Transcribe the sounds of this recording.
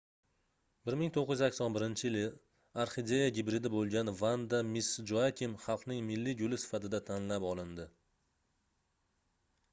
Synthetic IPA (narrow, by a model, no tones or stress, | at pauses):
bɪɾmɪŋt̪ʰoqːɪj̪ʊzakʲsɒnbɪɾɪnt͡ʃʰɪjɪlɪ | aɾχɪd̪ejaɡʲɪbɾɪd̪ɪbolˠɡʲanvand̪amɪsd͡ʒoakʲʰɪmχɑlˠqnɪŋmɪlːɪɡʲolɪsɪ̥fat̪ɪd̪at̪ʰanlapɒlˠɪnd̪ɪ